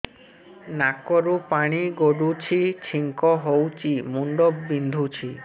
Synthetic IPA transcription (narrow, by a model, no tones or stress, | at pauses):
nakɔɾupaɽ̃iɡoɖut͡ʃʰit͡ʃʰiŋkɔɦowt͡ʃʰimuɳɖɔbbind̪ʱut͡ʃʰi